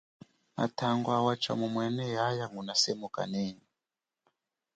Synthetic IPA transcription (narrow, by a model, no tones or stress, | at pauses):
a̰tʰaŋɡwawat͡ʃa̰mumwɛnɛjajaŋunasɛmuka̰nɛːni